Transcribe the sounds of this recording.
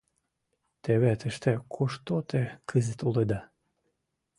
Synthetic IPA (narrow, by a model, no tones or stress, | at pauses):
t̪eβet̪ə̆ʃt̪ekʰoʃt̪ot̪ekʰəzɘ̆t̪ulˠed̪ɑ